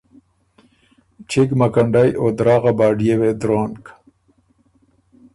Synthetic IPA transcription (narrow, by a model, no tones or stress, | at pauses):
t͡ɕʰikmɐkɐɳɖajoːd̪ɾɑːɣabaːɖijewed̪ɾoːnk